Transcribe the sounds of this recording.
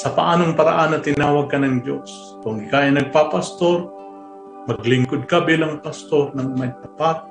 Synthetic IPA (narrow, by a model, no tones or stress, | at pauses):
sɐpaʔaːnoŋpɐɾa̰ʔanːɐt̪ɪnaːwɐɡ̚kɐnɐŋd͡ʒo̰s | kʊŋɪkaʔajnɐɡ̚papast̪o̞ɾ | mɐɡlɪŋkʊd̪̚kabiːlaŋpɐst̪o̞ɾnɐŋmɐjt̪ɐpat̪̚